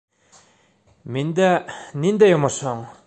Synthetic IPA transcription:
mind̪anind̪ajomasoŋ

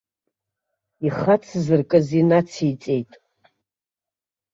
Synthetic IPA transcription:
iχat͡sʰzɨrkʼɨzinat͡sʰit͡sʼe̞jtʼ

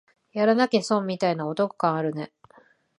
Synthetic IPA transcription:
jaɾanake̞sõmmʲːit̪ainao̞t̪o̞kɯ̟̥kãɰ̃aɾɯ̟ne̞

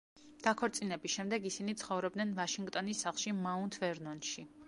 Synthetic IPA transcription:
d̪̥akʰɔɾt̪sʼinɛbisʃɛmd̪ɛɡisinit̪sʰχɔvɾɔb̚d̪nɛnvaʃiŋɡt̪ʼɔnisːaχlˠʃimaunt̪ʰvɛɾnɔnʃi

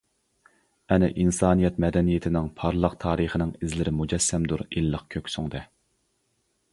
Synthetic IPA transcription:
ɛnɪ̰ʔinsɑːnijɛt̪mɛd̪ɛnijɪt̪ʰɪnɪŋpʰɑɾlˠəqt̪ʰɑːɾəχənɪŋɪzlɪɾɪmud͡ʒɛsːɛmd̪uɾilːəqkʲʰøkʲsʊŋd̪ɛ

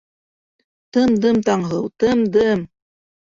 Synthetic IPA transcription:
t̪ɤmd̪ɤmt̪ɑɴɦɤwt̪ɤmd̪ɤm

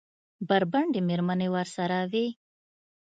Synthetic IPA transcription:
baɾbaɳɖemeɾmanewəɾsaɾawi

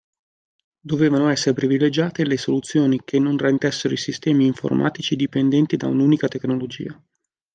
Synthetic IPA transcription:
d̪oveːvanoɛsːeɾepɾivilːed͡ʒaːt̪elesolut̪sːjoːnik̟ʰenːonrent̪ɛsːeɾoisist̪ɛːmiːɱfo̰rmʔa̰ːt̪it͡ʃid̪ipend̪ɛnt̪id̪a̰unuːnikat̪eknolod͡ʒḭːa

